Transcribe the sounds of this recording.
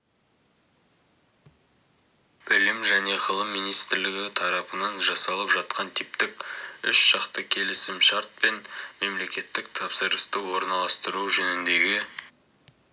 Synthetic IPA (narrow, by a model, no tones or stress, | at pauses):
b̥ɪlɪmʒæne̞ʁʰəlˠəmːijnijst̪ɪɾlɪɡʲɪt̪ʰɑɾɑpənɑnʒɑsɑlˠəpʒɑt̪qɑnt̪ʰipt̪ɪkʲʏʃʃɑqt̪əkʲʰe̞lɪsɪmʃaɾt̪̚pe̞nme̞mle̞kʲe̞t̪ːɪk̚t̪ʰɑpsəɾəst̪əwo̞ɾnɑlˠɑst̪əɾuʒɵnɪnd̪e̞ɡʲɪ